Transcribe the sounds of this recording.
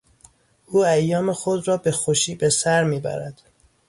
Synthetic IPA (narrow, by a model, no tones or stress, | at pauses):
uːæjːɒːmexo̞d̪rɒːbe̞xoʃiːbesæɾmiːbæ̰ɾæ̰d̪̥